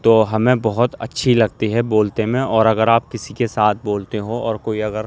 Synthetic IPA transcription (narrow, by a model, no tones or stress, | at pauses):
t̪oːɦɐmẽbɔɦʊt̪ɐ̰tːʃʰilɐɡ̚t̪iɦɛboːlt̪emẽɔːɾɐɡəɾaːp̚kɪsikesaːt̪ʰboːlt̪eɦoɔːɾkoːiɐɡəɾ